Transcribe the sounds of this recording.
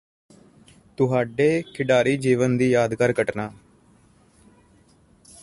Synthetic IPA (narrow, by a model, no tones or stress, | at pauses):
t̪ʊɦaːɖeːkʰɪɖaːɾiːd͡ʒiːʋənd̪iːjaːd̪kəɾkəʈnaː